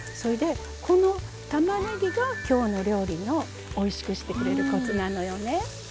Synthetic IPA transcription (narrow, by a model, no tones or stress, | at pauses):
so̞ɾed̪e̞ | kʰo̞no̞ | t̪amaneɡʲiɡakʲo̞ːno̞ɾʲo̞ːɾʲinʲoː | iɕi̥kɯ̟ɕi̥t̪e̞kɯ̟ɾe̞ɾɯ̟kotɨnano̞jo̞ne̞